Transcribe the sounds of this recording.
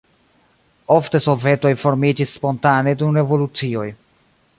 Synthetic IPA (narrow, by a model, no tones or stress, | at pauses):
o̞fte̞so̞ve̞to̞jfo̞ɾmid͡ʒisːpo̞ntane̞dunɾe̞vo̞lut͡sio̞j